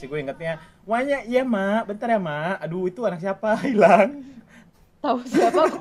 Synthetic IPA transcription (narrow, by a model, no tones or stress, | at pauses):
siɡuiŋət̪̚ɲa | waɲaijamabənt̪arjamaːduit̪uanak̚s̬iapailaŋ | t̪ausiaa